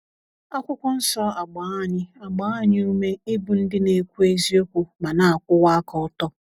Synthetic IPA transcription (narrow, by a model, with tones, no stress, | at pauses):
a˦kʷʊ˦kʷʊ˦n̩˦sɔ˦a˨ɡ͡ba˨˦a˦˨ɲɪ˦a˨ɡ͡ba˨˦a˦ɲɪ˦u˦me˦ɪ˦bu˨n̩˦dɪ˦ne˨kʷu˦e˦zi˦o˦kʷu˨ma˨na˨a˨kʷʊ˦wa˦a˦kɔ˨ʊ˦tɔ˦